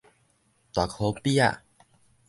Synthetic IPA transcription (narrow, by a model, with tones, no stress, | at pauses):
t̪wa˨˩kʰo˧˦pi˦a̰˨